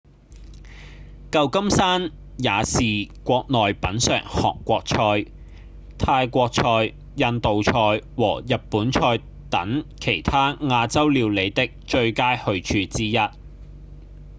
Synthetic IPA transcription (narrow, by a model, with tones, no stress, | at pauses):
kɐ˧wkɐ˥msaː˥n | jaː˨˧siː˨kʷɔː˧k̚nɔː˨jpɐ˨˥nsœ̰ː˨˩ŋhɔ̰ː˨kːʷɔː˧k̚t͡ʃʰɔː˧j | t̪ʰaː˧jkʷɔː˧k̚t͡ʃʰɔː˧j | jɐ˧nt̪o˨wt͡ʃʰɔː˧jwɔː˨˩jɐ˨t̚puː˨˥nt͡ʃʰɔː˧j | t̪ɐ˨˥ŋkʰe˨˩jt̪ʰaː˥ŋaː˧t͡sɐ˥wliː˨˧wle˨˧jt̪ɪ˥k̚t͡ʃɵ˧ɥkaː˥jhɵ˧ɥt͡ʃʰyː˧t͡siː˥jɐ˥t̚